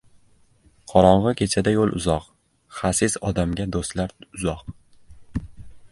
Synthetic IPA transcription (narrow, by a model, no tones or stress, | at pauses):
qʰɒɾɒɴʁɨkʲʰe̞t͡ʃʰad̪ajolˠʔʊ̰zɒq | χasɪzɒd̪amɡʲad̪ost̪laɾʊzɒq̚